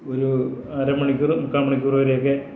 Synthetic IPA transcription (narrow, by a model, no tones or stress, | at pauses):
oɾuaːɾɐmɐɳikʲːurɨmukːaːmɐɳikʲːurɨʋɐɾejok̬ːe